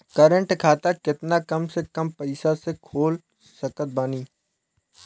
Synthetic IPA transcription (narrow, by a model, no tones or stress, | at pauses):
kəɾə̃ɳʈkʰaːt̪akɪt̪nakɐmsekɐmpɐɪsasekʰoːl | sɐkət̪̚baniː